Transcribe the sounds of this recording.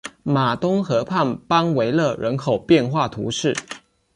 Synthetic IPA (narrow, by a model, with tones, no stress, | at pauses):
ma˨˩t̪ʊ˥ŋxɤ˧˥pʰa˥˩npɑ˥ŋwe˧˥ɪlɤ˥˩ɻə˧˥nkʰo˨˩ʊpjɛ˥˧nxwa˥˩t̪ʰṵ˧˥ʂɻ̩˥˩